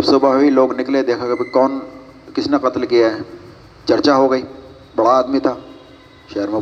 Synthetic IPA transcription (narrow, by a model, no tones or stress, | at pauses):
bsʊbaɦoiloːɡnɪkled̪eːkʰaɡebikɔːn | kɪsneqɐt̪lkijaɦɛː | t͡ʃɐɾt͡ʃaɦoɡəiː | bɐɽaːd̪mit̪ʰaː | ʃɐɦəɾmẽ